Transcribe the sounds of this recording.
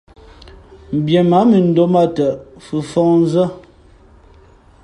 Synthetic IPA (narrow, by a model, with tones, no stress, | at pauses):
m̩˨bjɛ˨ma˨˦mə˨n̩˦do˦ma˦˨tə˨fʉ˨fɔ˦˨ŋn˦zə˦